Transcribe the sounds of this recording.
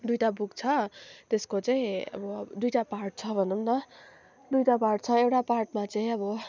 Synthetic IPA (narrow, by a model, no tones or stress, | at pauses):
d̪ujʈabuk̚t͡sʰʌt̪eskot͡saĩʌ̰bʌd̪ujʈaparʈ̚t͡sʰʌbʱʌnumnʌ | d̪ujʈaparʈ̚t͡sʰʌewʈaparʈmat͡saĩʌbʌ